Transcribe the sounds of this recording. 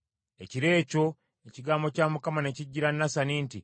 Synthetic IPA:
e̞ciɾe̞ːco̞ | eciɡaːmbo̞caːmukamane̞ciɟːiɾanːasaniːnti

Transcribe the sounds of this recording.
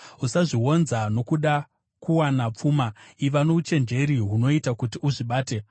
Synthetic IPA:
usaʐiɦo̞nzano̞kuɗa | kuwanap͡fuːmaiʋano̞ut͡ʃe̞nd͡ʒe̞ɾiɦuno̞itakutiuʐiɓaːte̞

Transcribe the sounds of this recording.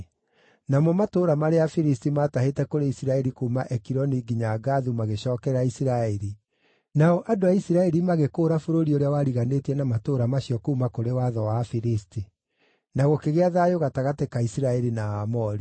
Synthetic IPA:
namɔmatoɾamaɾeafiɾistimataɦetɛkoɾeisiɾaɛɾikuːmaʔɛkiɾɔniɡiɲaɡaðumaɣeɕɔːkɛɾaisiɾaɛɾi | naɔʔadoaisiɾaɛɾimaɣekoːɾafoɾoɾioɾeawaɾiɣanetiɛnamatoɾamaɕiɔkuumakoɾewaðɔwafiɾisti | naɣɔkeɣeaðaːjoɣataɣatekaisiɾaɛɾinaamɔɾi

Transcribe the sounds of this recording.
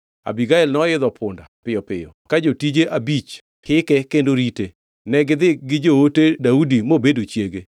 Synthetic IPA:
a̰biɡaɛlnɔɪd̪ɔpʰʊndapɪjɔpɪ̰jɔ̰kad͡ʒotid͡ʒeʔabit͡ʃ | hɪkɛkendoɾite | nɛɡɪd̪ɪɡɪd͡ʒootedaudimobedot͡ʃjeɡe

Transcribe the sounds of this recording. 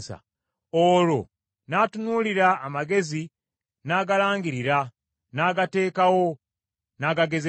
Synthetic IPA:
sa̰ | oːlo̞ | natunuliɾaːmaɡe̞zi | naɡalaːŋɡiɾiɾa | naːɡate̞ːkawo̞ | naɡaɡe̞ze

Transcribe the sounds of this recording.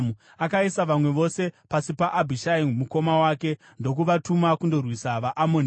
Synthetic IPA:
u | akaisaʋamwe̞ʋo̞se̞pasipaʔabʱiʃaimuko̞mawaːke̞ | ndo̞kuʋatumakundo̞rwisaʋaʔamon

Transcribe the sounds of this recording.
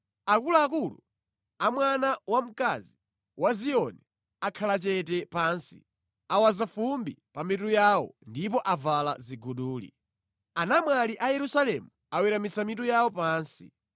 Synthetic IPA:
akulaːk̬ulṵ | amwanawam̩kazi | wazijɔnɛ | akʰalat͡ʃɛtɛpaːnsḭ | awazafumbipamitujawɔ̰ndipɔʔavalaziɡuɗuːlḭ | anamwaliʔajɛɾusalɛmu | awiɾamit͡sʰamitujawɔpaːnsi

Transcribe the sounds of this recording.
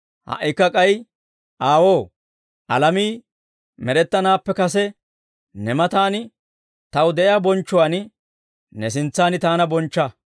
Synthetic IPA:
hɐ̰ʔɪkːɐkʼɐj | ʔaːwoː | ʔɐ̰lɐmiː | mɛɾɛt̪ːɐnaːpːɛkɐs̬ɛ | nɛmɐt̪aːnɪ | t̪ɐwd̪ɛʔabɔnt͡ʃːʊwaːnɪ | nɛs̬ɪnt͡sːaːnɪt̪aːnɐbɔnt͡ʃːɐ

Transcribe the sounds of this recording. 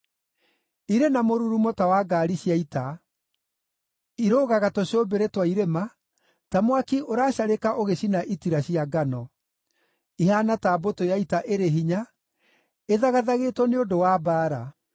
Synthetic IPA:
iɾenamoɾuɾumotawaɡaːɾiɕjaita | iɾoːɣaɣatɔɕoːbeɾetwaiɾema | tamwakiʔoɾaːɕaɾekaʔoɣeɕinaʔitiɾaɕiaɡanɔ | iɦanataːbotojaitaʔeɾeɦiɲa | eðaɣaðaɣeːtwɔneodowaːbaːɾa

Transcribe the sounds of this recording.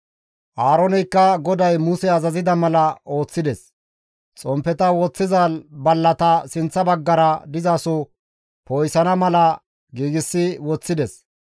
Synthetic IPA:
ʔaːɾɔnɛjkːɐɡɔd̪ɐjmʊsɛɐzɐzɪd̪ɐmɐlɐo̞ːt͡sːɪd̪ɛs | t͡sʼɔmpːɛt̪ɐwɔt͡sːɪzaːlbɐlːɐt̪ɐsɪnt͡sːɐbɐɡːɐɾɐd̪ɪzaːsɔ | pojsɐnɐmɐlɐ | ɡiːɡɪsːɪwɔt͡sːɪd̪ɛs

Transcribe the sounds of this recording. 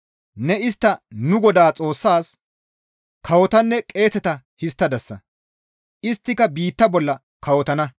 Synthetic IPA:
nɛɪst̪ːɐnʊɡɔd̪aːt͡sʼo̞ːsːaːs | kʰɐwɔt̪ɐnːɛkʼe̞ːsɛt̪ɐ | hɪst̪ːɐd̪ɐsːɐ | ʔɪst̪ːɪkɐbiːt̪ːɐbɔlːɐ | kɐwɔt̪ɐnɐ

